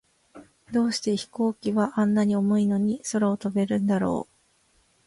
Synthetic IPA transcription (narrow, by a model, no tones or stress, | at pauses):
d̪o̞ːɕi̥t̪e̞çi̥ko̞ːkʲiβaʔãnːaɲ̟io̞mo̞ino̞ɲ̟iso̞ɾaot̪o̞be̞ɾɯ̟̃nd̪aɾo̞̰ː